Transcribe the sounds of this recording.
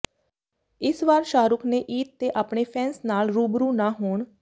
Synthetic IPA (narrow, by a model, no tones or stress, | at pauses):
ɪsʋaːɾʃaːɾʊkʰnẽːʔiːt̪̚t̪eːʔaːpɳeːpʰɛːnsnaːlɾuːbɾuːnaːɦoːɳ